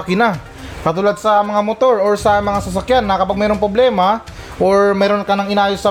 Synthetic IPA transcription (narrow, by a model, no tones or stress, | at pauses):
kɪna | kɐt̪uːlɐd̪̚sɐmɐŋamot̪o̞ɾoɹsɐmɐŋasɐs̬ɐkjanːɐkɐpaɡ̚mɛːɾoŋpɾo̞blɛːma | ʔoɹmɛːɾo̞nkɐnɐŋɪnaːjosɐ